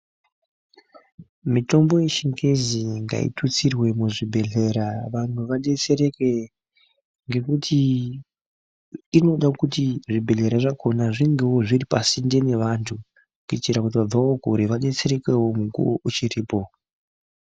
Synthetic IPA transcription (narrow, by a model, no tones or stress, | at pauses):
mito̞mbo̞je̞ʃiŋɡe̞ziŋɡa̰ḭtʰut͡sirwe̞muʐibʱe̞ɮe̞ɾaʋantuʋaɗe̞t͡se̞ɾe̞ke̞ | ŋɡe̞kutʰi | no̞ɗakutiʐibʱe̞ɮe̞ɾaʐakʰo̞naʐiŋɡe̞woʐiripasinde̞ne̞ʋantʰu | kitiɾakut̬iʋab͡vawo̞ɡʱuɾe̞ʋaɗe̞t͡se̞ɾe̞ke̞wo̞muŋkṵo̰ʔut͡ʃiriːpo̞